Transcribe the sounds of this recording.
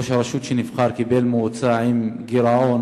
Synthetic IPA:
oʃaɾˤɑʃut̪ʃenifχɑɾkibelmut͡saʕimɡiɾaʕon

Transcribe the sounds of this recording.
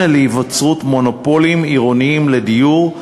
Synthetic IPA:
eleivat͡sʁutmo̞nopolimiʁoniimledijuʁ

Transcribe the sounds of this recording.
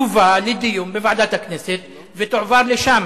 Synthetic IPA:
uvalɪd̪ɪjumbɪvaʕd̪aːt̪aknɪsɪt̪ | vɪt̪ʊʕvɑɾˤlɪʃaːm

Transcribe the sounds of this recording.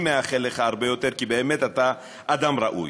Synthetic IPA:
meaχeleχaaʁbejo̞t̪eʁkibeːmet̪at̪a | ʔad̪amʁa̰ʔṵj

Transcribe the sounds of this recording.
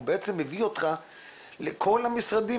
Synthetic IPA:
beet͡semːevio̞t̪χa | lekʰo̞lamisʁad̪i

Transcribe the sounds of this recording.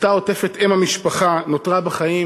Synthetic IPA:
t̪ao̞tefet̪emhamiʃpaχanot̪ʁabeχaji

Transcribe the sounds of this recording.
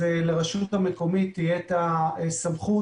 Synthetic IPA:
eleʁeʃuthameko̞mit̪ːijet̪aesamχu

